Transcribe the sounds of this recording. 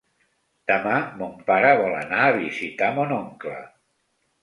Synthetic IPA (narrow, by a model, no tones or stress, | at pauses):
d̪̥əmamompaɾəβɔlə̰naːβizit̪amonɔŋklə̰